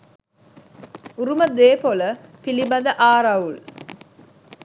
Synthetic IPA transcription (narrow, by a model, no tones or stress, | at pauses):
uɾuməd̪eːpoləpilibɐd̪əʔaːɾɐul